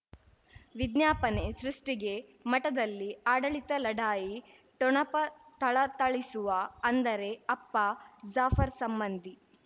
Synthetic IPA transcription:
ʋid̪njaːpɐne̞sɾuʂʈiɡe̞mɐʈɐd̪ɐlːiaːɽɐɭit̪ɐlɐɖaːji | ʈɔɳɐpɐt̪ɐɭɐt̪ɐɭisuʋɐɐnd̪ɐɾe̞ɐpːɐzaːfɐɾsɐmbɐnd̪ʱi

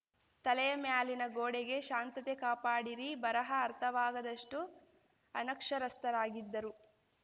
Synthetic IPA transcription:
t̪ɐlɛjɐmjaːlinɐɡoːɽeɡe̞ʃaːnt̪ɐt̪ekaːpaːɽiɾibɐɾɐɦɐːɾt̪ʰɐʋaːɡɐd̪ɐʂʈu | ɐ̰nɐkʂɐɾɐst̪ɐɾaːɡid̪ːɐɾu

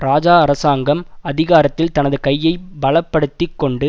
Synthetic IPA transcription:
ɾaːd͡ʒaːɐɾɐsaːŋɡɐmɐðɪɣaːɾɐt̪ːɪlt̪ɐnɐðɯkɐjːɐɪbɐɭɐpːɐɽɯt̪ːɪkːɔɳɖɯ

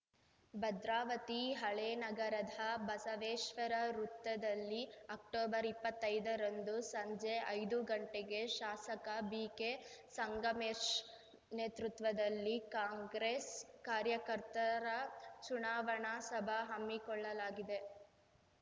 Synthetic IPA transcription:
bɐd̪ɾaːʋɐt̪iɦɐɭeːnɐɡɐɾɐd̪ʱɐbɐsɐʋeːʃʋɐɾɐɾut̪ːɐd̪ɐlːiɐk̚ʈoːbɐɾipːɐt̪ːɐjd̪ɐɾɐnd̪usɐɲd͡ʒeʔɐjd̪uɡɐɳʈeɡe̞ʃaːsɐkɐbiːkesɐŋɡɐmeːʃ | neːt̪ɾut̪ʋɐd̪ɐlːikaːŋɡɾeːskaːɾjɐkɐɾt̪ɐɾɐt͡ʃunaːʋɐɳasɐbʱɐɦɐmːikɔɭːɐlaːɡid̪e̞

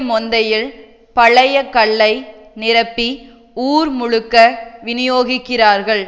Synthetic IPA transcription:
mɔnd̪ɐjɪl | pɐɭɐjɐkːɐɭːɐɪ | nɪɾɐpːi | uːɾmʊɻɯkːɐʋɪnɪjoːɣɪkːɪraːɾɣɐɭ

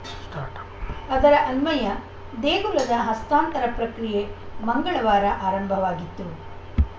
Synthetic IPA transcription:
ʈaʈ | ɐd̪ɐɾɐʔɐnmɐjɐ | d̪eːɡulɐd̪ɐɦɐst̪aːnt̪ɐɾɐpɾɐkɾijemɐŋɡɐɭɐʋaːɾɐʔaːɾɐmbʱɐʋaːɡit̪ːu

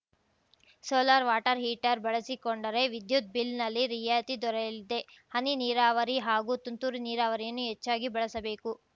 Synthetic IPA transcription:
soːlaːɾʋaːʈɐɾɦiːʈɐɾbɐɭɐsikoɳɖɐɾe̞ʋid̪jut̪̚bilnɐlːiɾijaːt̪id̪ɔɾɐjɐlid̪e̞ | hɐniniːɾaːʋɐɾiɦaːɡut̪unt̪uɾiniːɾaːʋɐɾijɐnːuɦet͡ʃːaːɡibɐɭɐsɐbe̞ːku

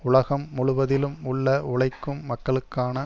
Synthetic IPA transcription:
ʊɭɐɣɐmːʊɭʊʋɐðɪlɯmʊɭːɐʊɭɐɪkːɯmːɐkːɐɭɯkːaːnɐ

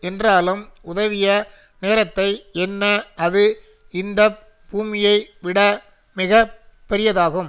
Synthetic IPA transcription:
ɛndraːlɯmʊðɐʋɪjɐ | neːɾɐt̪ːɐɪɛnːɐɐðɯ | ɪnd̪ɐ | buːmɪjɐɪʋɪɽɐ | mɪɣɐpːɛɾɪjɐðaːɣɯm

